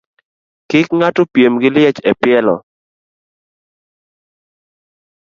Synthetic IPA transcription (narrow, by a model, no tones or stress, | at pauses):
kɪkŋatʊpjemɡɪlɪɛt͡ʃɛpɪɛlɔ̰